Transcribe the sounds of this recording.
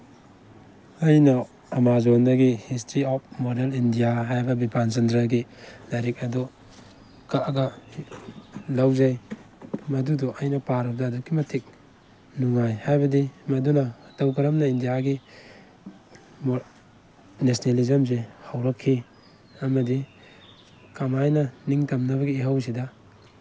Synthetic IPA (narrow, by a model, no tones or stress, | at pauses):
ɐjnɐ | ɐmazondɐɡihistɾiɔp̚moɾelindijaɦajbɐbipʰanzendɾaɡilaɾik̚ɐdu | kaɡɐ | lawzaj | mɐduduʔɐjnɐpaɾɐp̚daːdukimɐtʰik̚ | nuŋajhajbɐdimɐdunɐtawkɐɾɐmnɐindijaɡi | m | nesnelizɐms̬ehawɾɐkʰːi | ɐmɐdi | kamajnɐniŋtɐmnɐβɐɡiːɦaws̬idɐ